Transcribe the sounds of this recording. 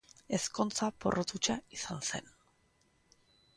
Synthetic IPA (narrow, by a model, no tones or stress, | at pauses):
e̞sko̞nt͡sapo̞̰rʔot̪ut͡ʃaisanse̞n